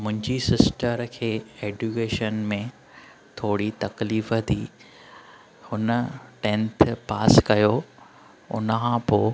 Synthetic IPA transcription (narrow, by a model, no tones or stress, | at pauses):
mʊ̃ɦɪ̃ɲd͡ʑisɪsʈəɾkʰeːeːɖukeːʃənmẽ | t̪ʰoːɽit̪ɐkliːfə̆t̪ʰiː | hʊnə̆ʈẽnt̪ʰpaːskɐjo | ʊ̰nəkʰãpoː